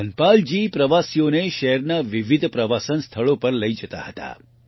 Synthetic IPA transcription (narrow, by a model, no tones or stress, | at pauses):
ənpald͡ʒipɾəʋasijoneʃɛɦɾnaʋiʋid̪ʱpɾəʋasənst̪ʰəɭopəɾləid͡ʒət̪a̰ɦət̪a̰